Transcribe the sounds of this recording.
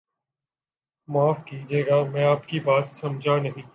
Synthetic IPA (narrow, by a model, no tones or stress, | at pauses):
maːfkiːd͡ʒeːɡamɛ̃ːaːpkibaːt̪sɐmd͡ʒʱanɐɦĩː